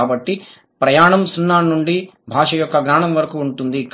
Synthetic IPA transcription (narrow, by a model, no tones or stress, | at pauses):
aːbɐʈːi | pɾɐjaːɳɐmsunːaːnːuɳɖibʱaːʂɐjɔkːɐɡnaːɳɐmʋɐɾɐkuuɳt̪und̪ik